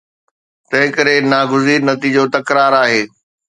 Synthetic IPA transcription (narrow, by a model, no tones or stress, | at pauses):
t̪ɐ̃ɦɪ̃kɐɾenaːɡʊziːɾnɐt̪iːd͡ʑot̪ɐkɾaːɾaːɦeː